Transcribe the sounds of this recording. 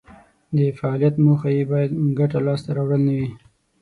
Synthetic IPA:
d̪əfaɑlijat̪moxajebɑjad̪ɡaʈalɑst̪aɾɑwɽəlnawi

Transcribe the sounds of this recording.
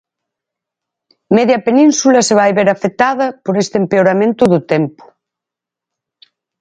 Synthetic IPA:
meðjɐpenĩnsulɐseβajβeɾafet̪aðɐpoɾest̪empeoɾamẽnt̪ʊðʊt̪ɛmpʊ̥

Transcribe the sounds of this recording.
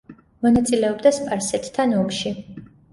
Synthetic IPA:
mɔnat̪sʼilɛɔbd̪aspʼaɾsɛt̪ʰt̪ʰːanɔmʃi

